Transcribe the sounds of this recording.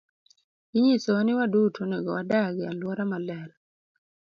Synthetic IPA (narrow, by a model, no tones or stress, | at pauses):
iɲisonɪwadutʰoneɡɔwadaɡɪalwɔɾamalɛl